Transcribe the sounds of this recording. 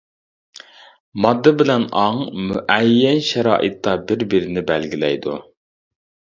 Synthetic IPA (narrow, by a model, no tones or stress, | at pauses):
mɑd̪ːɨbɪlɛnɑŋmuʔɛjːɛnʃɛɾɑ̰ːʔɨt̪ːɑbɪɾbɪɾɪnɪbɛlɡʲilɛ̰jd̪ṵ